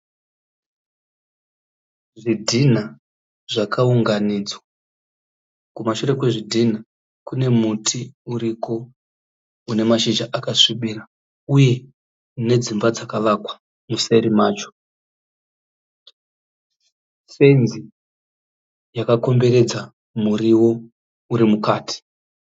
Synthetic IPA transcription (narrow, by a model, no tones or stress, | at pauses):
ʐidʱina | ʐakʰauŋɡanid͡zwa | kumaʃure̞kweʐidʱina | kune̞mutʰiuɾiko̞ | une̞maʃid͡ʒaʔakaʂiɓiːra | uje̞ | ne̞d͡zimbad͡zakalakwḁ | muse̞ɾimaːt͡ʃo̥ | se̞nzi | jakako̞mbe̞ɾe̞d͡za | muriwo̞ | uɾimukaːti̥